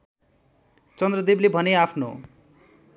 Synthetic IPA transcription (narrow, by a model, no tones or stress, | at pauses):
t͡sʌnd̪rʌd̪eblebʱʌneapʰno̰